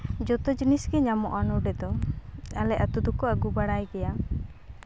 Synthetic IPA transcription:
d͡ʒɔt̪ɔd͡ʒinisɡɛɲamɔʔanɔɖɛd̪ɔalɛʔat̪ud̪ukɔaɡubaɽajɡɛja

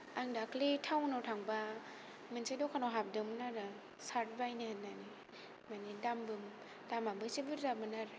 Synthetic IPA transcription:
aŋdakʰlitʰawnawtʰaŋba | mɯnsʰajdɔwkʰanawɦap̚dɯmnaɾɯ | saɾt̚bajnihanani | manidambɯm | damabɯsibɯɾdamɯnaɾɯ

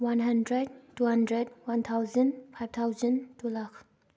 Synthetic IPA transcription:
wanɦandɾɛd̚tuhandɹɛd̚want̪ʰawzənpʰajv̚t̪ʰawzəntulak

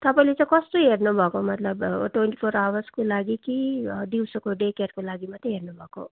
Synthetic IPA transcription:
t̪ʌpaĩlet͡sãĩkʌst̪oɦeɾnubʱʌkomʌt̪lʌbʈwenʈi̥pʰoɾawaskolaɡikid̪iwsʌkoɖekeɾkolaɡimat̪eɦeɾnubʱʌko̰

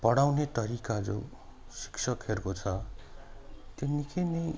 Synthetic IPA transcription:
pʌɽawnet̪ʌɾikad͡zo̰ | si̥ksʰʌkɦerkot͡sʰʌ | t̪jenːikʰenʌj

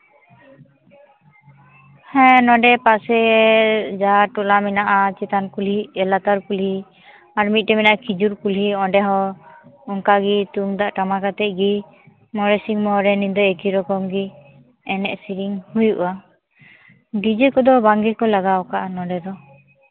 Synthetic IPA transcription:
hɛ̃nɔɖɛpasɛ | d͡ʒaʈɔlaminaʔat͡ʃɛt̪ankulɦiɛlat̪aɾkulhi | aɾmit̪̚ˀʈɛminaʔakid͡ʒuɾkulɦiɔɖɛɦɔ | ɔŋkaɡit̪uŋd̪aʔʈamakat̪ɛʔ̚ˀɡi | mɔɾɛsiŋmɔɾɛnid̪ɔekiɾɔkɔmɡi | ɛnɛʔsiɾiŋhujuʔa | ɖid͡ʒikɔd̪ɔbaŋɡɛkɔlaɡawkaʔanɔɖɛd̪ɔ

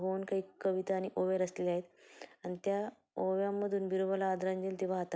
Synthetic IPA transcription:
ɦonkaɦiːkəʋit̪aːñiʔoʋjaɾəslelaɦet̪añit̪ja | oʋjamːəd̪ʱuːnbiɾuʋəlaːd̪ɾaɲd͡ʑilt̪iʋ̤aɦat̪a

